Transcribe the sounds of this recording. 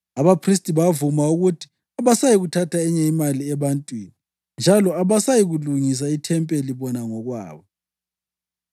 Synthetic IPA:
aβapʰris̬tʼiβavumauɣutʰi̥ | aβasajiɣutʰatʰaɛɲɛimaliɛβantʼwini | nd͡ʒʱalɔaβasajiɣuluŋis̬aitʰɛmpʼeliβɔnaŋɔɣwa̰ːβɔ

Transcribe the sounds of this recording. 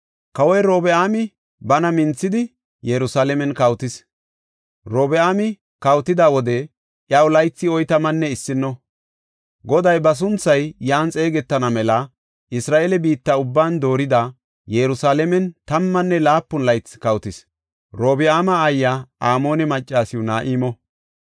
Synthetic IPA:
kɐwɔjɾo̞ːbɛaːmɪ | bɐnɐmɪnt͡sːɪd̪ɪ | jɛɾʊsaːlɛmɛnkɐwt̪ɪs | ɾoːbɛaːmɪ | kɐwt̪ɪd̪aːwɔd̪ɛ | ʔjɐwlɐjt͡sːɪɔjt̪ɐmɐnːɛɪsːɪnːɔ | ɡɔd̪ɐjbɐs̬ʊnt͡sːɐjjaːnt͡sʼe̞ːɡɛt̪ːɐnɐmɛlɐ | ʔɪsɾaːʔeːlɛbiːt̪ːɐʊbːaːnd̪o̞ːɾɪd̪a | jɛɾʊsaːlɛmɛnt̪ɐmːɐnːɛlaːpːʊnlɐjt͡sːɪ̥kɐwt̪ɪs | ɾoːbɪaːmɐːjːaaːmo̞ːnɛmɐt͡ʃʼːaːsɪʊnaːʔiːmɔ

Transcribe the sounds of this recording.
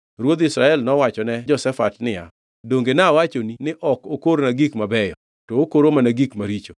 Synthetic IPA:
ɾwod̪ɪsɾaɛlnɔwat͡ʃɔnɛd͡ʒɔsɛfatnɪja̰ | doŋɡenawat͡ʃoninɪʔɔkokoɾnaɡikmabɛjɔ̰ | toːkoɾomanaɡikmaɾit͡ʃo

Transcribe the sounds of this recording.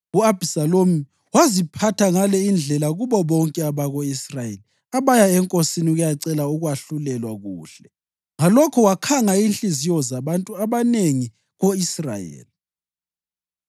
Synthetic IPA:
uabʱisalomi | wazipʰatʰaŋalɛind͡ɮʱɛlaɣuβɔβɔŋkʼɛaβaɣoisrajeli | aβajaɛŋkʼosiniuɣujaǀɛlauɣwaɬulɛlwaɣuːɬɛ | ŋalɔkʰɔwakʰaŋainɬʼizijɔzaβantʼuaβaneŋi | ɣoisra̰jḛːli

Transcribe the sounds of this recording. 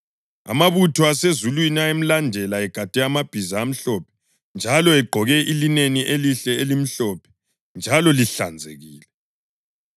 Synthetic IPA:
a̰maβutʰɔasezulwiniaem̩landʱɛlaɛɡ̥ʱad̥ʱɛamab̥ʱizaːm̩ɬɔpʰɛ̥ | nd͡ʒʱalɔɛɡ͡ǃʱɔɣɛʔilineniʔeliɬɛelim̩ɬɔpʰɛ̥ | nd͡ʒʱalɔliɬand͡zʱḛɣiːlɛ

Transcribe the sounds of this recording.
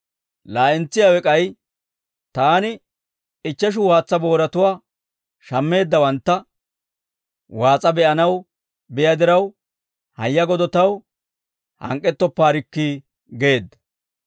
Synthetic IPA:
laːʔɛnt͡sːɪjawɛkʼɐj | t̪aːnɪ | ɪt͡ʃːɛʃ̬ʊwaːt͡sːɐbo̞ːɾɐt̪ʊwaː | ʃɐmːe̞ːd̪ːɐwɐnt̪ːɐ | waːt͡sʼɐbɛʔɐnɐw | bɛjɐd̪ɪɾɐw | hɐjːɐɡɔd̪ɔt̪ɐw | hɐ̰ŋkʼːɛt̪ːɔpːaːɾɪkːiː | ɡe̞ːd̪ːɐ̥

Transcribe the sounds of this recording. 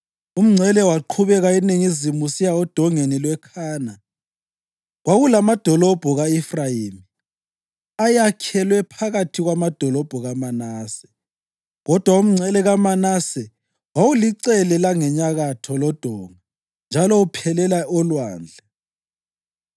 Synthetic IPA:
um̩ŋ͡ǀʱɛlɛwaǃʰuβɛɣainiŋizimusijaɔd̥ʱɔŋenilwɛkʰaːna | ɣwaɣulamad̥ʱɔlɔb̥ʱɔɣaifrajiːmi | ajakʰɛlwɛpʰaɣatʰiɣwamad̥ʱɔlɔb̥ʱɔɣamanaːsɛ̥ | ɣɔd̥ʱwaum̩ŋ͡ǀʱɛlɛɣamanasɛ | wawuliǀɛlɛlaŋɛɲaɣatʰɔlɔd̥ʱɔːŋa | nd͡ʒʱalɔupʰɛlɛlaʔɔlwa̰ːnd͡ɮʱɛ

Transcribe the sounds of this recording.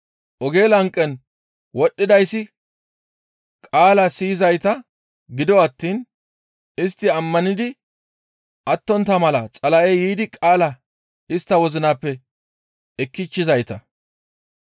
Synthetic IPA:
ʔɔɡe̞ːlɐŋkʼːɛn | wɔɗːɪd̪ɐjsːɪ | kʼaːlɐsiːzɐjt̪ɐ | ɡɪd̪ɔɐt̪ːiːn | ɪst̪ːɪɐmːɐnɪd̪ɪ | ʔɐt̪ːɔnt̪ːɐmɐlɐt͡sʼɐlɐʔejiːd̪ɪkʼaːlɐ | ɪst̪ːɐwɔzɪnaːpːɛ | ɛkːɪt͡ʃːɪzɐjt̪ɐ

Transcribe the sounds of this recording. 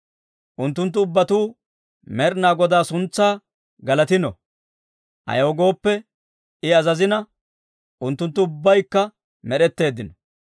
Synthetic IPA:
ʔʊnt̪ːʊnt̪̬ːʊʊbːɐt̪uː | mɛɾnaːɡɔd̪aːsʊnt͡sːaː | ɡɐlɐt̪ɪnɔ̰ | ʔɐ̰jɐɔɡo̞ːpːɛ | ɪɐzɐzɪnɐ | ʔʊnt̪ːʊnt̪ːʊʊbːɐjkːɐ | mɛɗɛt̪ːe̞ːd̪ːɪnɔ̥

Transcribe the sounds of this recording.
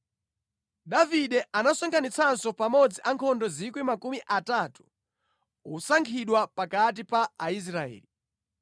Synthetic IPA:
ɗaviɗɛʔanasɔŋkʰanit͡sʰansɔpamɔd͡ziʔaŋkʰɔndɔzikwimakumiʔatatu̥ | usaŋkʰiɗwapakat̬ipaːis̬ɾaɛ̰ːli

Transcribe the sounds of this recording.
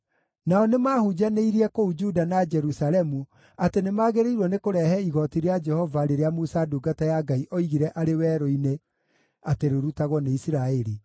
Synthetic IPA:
naɔnemaːhud͡ʒaneiɾiɛkoud͡ʒudanad͡ʒɛɾusaɾɛmu | atenemaːɣeɾeiɾwɔnekoɾɛɦɛiɣɔtiɾead͡ʒɛhɔvaɾeɾeamusaduɡatajaɡaiʔɔiɣiɾɛʔaɾewɛːɾɔine | ateɾoɾutaɣwɔneisiɾaeɾi

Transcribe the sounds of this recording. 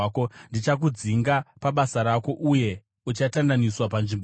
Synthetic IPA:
kondit͡ʃak̬ud͡ziŋɡapaɓasaɾako̞ʔuje̞ | ut͡ʃatandaniswapanʐimb

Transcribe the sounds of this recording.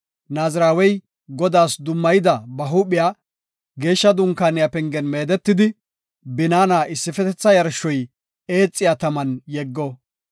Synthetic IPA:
naːzɪɾaːwɛj | ɡɔd̪aːsd̪ʊmːɐjɪd̪ɐbɐɦuːpɪjaː | ɡe̞ːʃːɐd̪ʊŋkaːnɪjaːpɛŋɡɛnme̞ːd̪ɛt̪ːɪd̪ɪ | bɪnaːnaːʔɪsːɪfɛt̪ɛt͡sːɐjɐɾʃːɔj | e̞ːt͡sʼːɪjat̪ɐmɐnjɛɡːɔ

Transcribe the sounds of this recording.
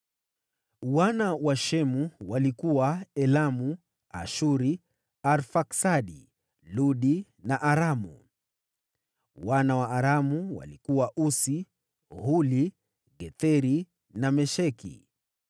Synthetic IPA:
wanawaʃɛmuwalikuwaɛlamu | a̰ʃuɾi | aɾfaksaɗi | luɗi | naʔaɾamṵ | wanawaːɾamuwa̰likuwaʔusi | huli | ɡɛθɛɾi | namɛʃɛkḭ

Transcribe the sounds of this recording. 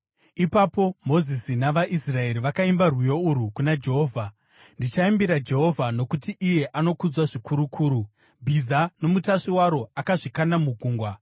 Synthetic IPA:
ipapo̞mo̞zisinaʋaʔisrae̞ɾiʋakaimbarwujo̞uɾukunad͡ʒe̞ɦoːvʱa | ndit͡ʃaimbiɾad͡ʒe̞ɦo̞vʱano̞kutiʔːje̞ʔano̞kud͡zwaʐikuɾukʰuːɾu | bʱizano̞mutaʂiwaɾo̞akaʐikanamuɡʱuːŋɡwa

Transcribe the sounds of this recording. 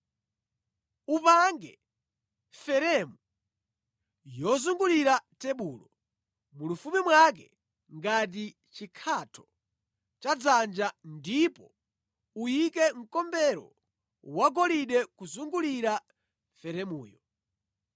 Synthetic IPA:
upaŋɡɛ | fɛɾɛmu | jɔzuŋɡuliɾatɛɓuːlɔ | mulufumimwak̬ɛ | ŋɡat̬i | t͡ʃikʰatʰɔ | t͡ʃad͡zand͡ʒandipɔ | ujikɛŋ̩kɔmbɛɾɔ̰ | waɡɔliɗɛkuzuŋɡuliɾa | fɛɾɛmṵːjɔ

